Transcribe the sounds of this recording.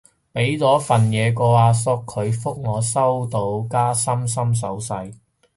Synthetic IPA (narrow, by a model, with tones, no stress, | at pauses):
pe˨˥jt͡sɔː˨˥fɐ˨njɛː˨˧kɔː˧aː˧sʊ˧kʰːɵ˨˧ɥfʊ˥k̚ŋɔː˨˧sɐ˥wt̪o˧wkaː˥sɐ˥ms̬ɐ˥ms̬ɐ̰˨˥wsɐ˧j